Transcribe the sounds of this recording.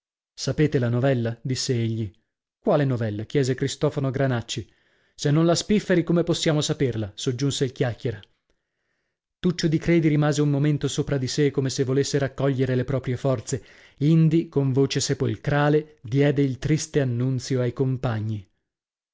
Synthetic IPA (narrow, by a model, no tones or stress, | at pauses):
sapeːt̪elanovɛlːad̪isːeeʎːi | kwaːlenovɛlːakjɛːzekɾist̪ɔːfanoɡɾanat͡ʃːi | senːonlaspifːeɾikomeposːjaːmosaperlasod͡ʒːunseilk̟jakːjeɾa | t̪ut͡ʃːod̪ikɾeːd̪iɾimaːzeumːoment̪osoːpɾad̪isekomesevːolesːeɾakːɔʎːeɾelepɾɔːpɾjefɔrt̪se | ind̪ikoɱvoːt͡ʃesepolkɾaːled̪jɛːd̪eilt̪ɾist̪eanːunt̪sjoajkompaɲːi